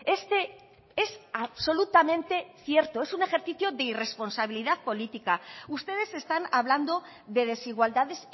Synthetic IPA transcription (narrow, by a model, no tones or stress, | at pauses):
e̞st̪e̞ | esaβso̞lut̪amẽ̞nt̪e̞θje̞ɾt̪oe̞sune̞xe̞ɾθiθjo̞ðeire̞spo̞nsaβiliðaðpo̞lit̪ikaust̪e̞ð̞e̞se̞st̪anaβ̞land̪o̞ | ðe̞ð̞e̞siɣ̞wald̪aðe̞s